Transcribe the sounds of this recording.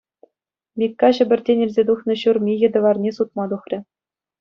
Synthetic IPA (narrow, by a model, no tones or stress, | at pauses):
mʲikːɑɕɘ̆bʲɘ̆rʲtʲenʲilʲzʲed̪uχnɤ̆ɕurmʲijɘ̆d̪ɤ̆ʋɑrnʲesut̪̚mɑd̪uχrʲɘ̆